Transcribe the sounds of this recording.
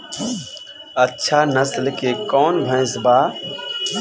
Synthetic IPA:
ətːʃʰanəslkekɔːnbʱə̃ɪ̃sbaː

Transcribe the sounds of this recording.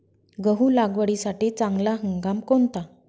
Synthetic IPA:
ɡəɦuːlaɡʋəɽisaʈit͡sãŋɡlaɦəŋɡamkont̪a

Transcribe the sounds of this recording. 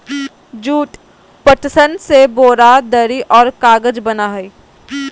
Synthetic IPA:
d͡ʒuːʈ | pət̪sənseboːɾad̪əɾiʔɔːɾkaːɡəd͡ʒbɐnaɦi

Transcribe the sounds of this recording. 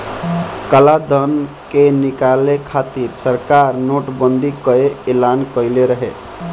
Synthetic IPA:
kəlad̪ʱən | kenikalekʰat̪iɾsəɾkaɾnoʈbənd̪ʱikəeelankəjleɾəɦe

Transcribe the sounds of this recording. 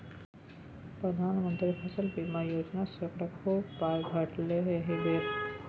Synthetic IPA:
pɾəd̪ʱaːnmənt̪ɾipʰɐsəlpimãjoːd͡ʒnasɐkɾɐkʰobaːjɡʱɐʈleɦeɦeɖeːɾ

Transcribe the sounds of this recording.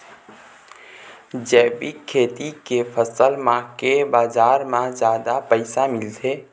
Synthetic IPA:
d͡ʒɛːbikʰːeːt̪ikepʰəsəlmãkebaːzaːɾmãd͡ʒjaːd̪apəɪsamɪlt̪ʰeː

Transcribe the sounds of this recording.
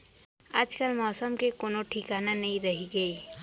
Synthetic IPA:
aːd͡ʒkəlmɔːsəmkekoːnoʈʰɪkaːnanɐɦĩɾɐɦiɡɐi

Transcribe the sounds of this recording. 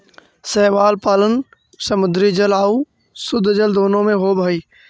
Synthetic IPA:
sɛːʋaːlpaːlən | səmʊd̪ɾid͡ʒəlaːu | sʊd̪ʱːd͡ʒəld̪oːnõmẽɦobʱəiː

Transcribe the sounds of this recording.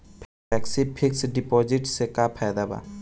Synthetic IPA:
pʰ | ɛksipʰɪksɖɪpɔːd͡ʒɪʈsekapʰajd̪aba̰

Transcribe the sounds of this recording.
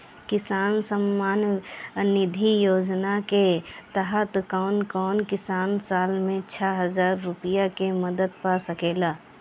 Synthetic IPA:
kɪsaːnsəmːaːnnɪd̪ʱijoːd͡ʒnaket̪aɦət̪kɔːnkɔːnkɪsaːnsaːlmẽt͡ʃʰɛɦəzaːɾːʊpɪjakeməd̪əd̪̚pasəkeːlaː

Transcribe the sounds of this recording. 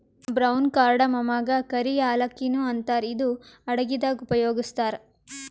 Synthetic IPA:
bɾɐwnkaːɾɖɐmɐmaːɡɐkɐɾijaːlɐkːinuɐnt̪aːɾid̪uɐɽɐɡid̪aːɡupɐjoːɡist̪aːɾ

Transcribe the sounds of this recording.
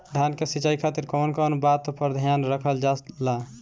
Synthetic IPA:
ɖʱankesit͡ʃajkʰat̪iɾkonkɔnbat̪ːpəɾd̪ʱjanɾəkʰəld͡ʒala

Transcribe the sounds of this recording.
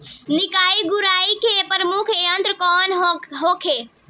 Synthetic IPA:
nɪkaːiɡuɾaːikepɾəmukʰeə̃nt̪ɾkɔːnɦoːkʰeː

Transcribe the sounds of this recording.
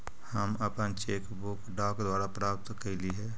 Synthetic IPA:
həməpənt͡ʃeːkbʊkɖaːkd̪waːɾapɾaːp̚t̪kəɪliɦɛː

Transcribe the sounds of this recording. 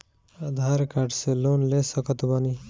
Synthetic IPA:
ad̪ʱaɾkaɖselonlesəkət̪bʌni

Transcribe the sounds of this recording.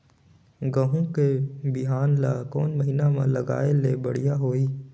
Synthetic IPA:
ɡəɦũkebɪɦaːnlaːkɔːnmɐɦinamãlɐɡa̰ːelebɐɽ̤ijaɦoːiː

